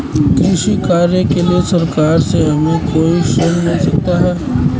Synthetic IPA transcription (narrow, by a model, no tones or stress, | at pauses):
kɾɪʃikaːɾjəkeliesɐɾkaːɾseɦɐmẽkʰoːɪʃnɐɦĩnɐɦĩsɐk̚t̪aɦɛː